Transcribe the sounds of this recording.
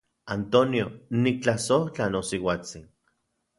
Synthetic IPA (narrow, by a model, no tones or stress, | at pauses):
ant̪onionik̚t͡ɬasoht͡ɬanosiwat͡sin